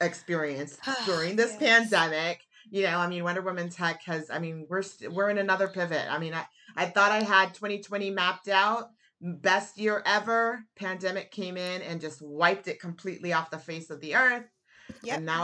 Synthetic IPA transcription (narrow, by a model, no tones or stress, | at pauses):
ɨkspɪɹiɨ̃nsd̥ʊɹɪ̃ŋðɪspʰæ̃ndɛmɪk | jɨnoʊaɪmĩnwʌ̃ndə˞wɪ̃mɨ̃nz̥ɛkʰʌza̰ɪmĩnwɪɹstwɪɹɨ̃nɨnʌðə˞pʰɪvɪ̰t̚a̰ɪmĩnaɪ | ʔaɪθɔɾaɪəd̚tʰw̥ɛ̃ɾ̃itʰw̥ɛ̃ɾ̃imæp̚taʊt̚ | bɛst̚jɪɹʔɛvə˞pʰæ̃ndɛmɨkʰẽɪ̃mɪ̃nɨ̃nd͡ʒʌst̚waɪp̚tɨt̚kʰm̩pʰl̥iʔˡliɔfðəfeɪsʌvðiɜ˞θ | ɨ̃nːa